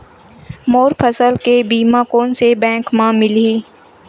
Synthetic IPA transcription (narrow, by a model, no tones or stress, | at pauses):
moːɾpʰəsəlkebiːmãkoːnsebɛ̃ːŋkmãmɪliː